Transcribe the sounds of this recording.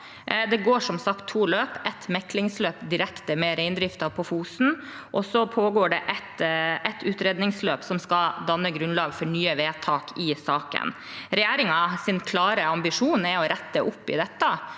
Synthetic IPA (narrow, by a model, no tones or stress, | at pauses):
d̪ɛɡoːʂɔmsɑkt̪ʰːuːløːpɛt̪mɛklɪŋsløːpd̪ɪɾɛkt̪əmɛɾɛɪnd̪ɾɪft̪ɑpʰɔfuːsn̩ | ʔɔsɔpʰoːɡoːɖɛʔɛt̪ʔɛt̪ʰʉːt̪ɾeːd̪nɪŋsløːpsɔmskɑd̪ɑnːəɡɾʉnlɑːɡfɔɳyːəʋeːt̪ʰɑːkɪsɑːkə̰n | ɾɛjeːɾɪŋɑsɪnkʰlɑːɾəɑmbɪʂuːnɛɔɾæt̪ːəʔʊpːɪ̰d̪ɛt̪ːɑ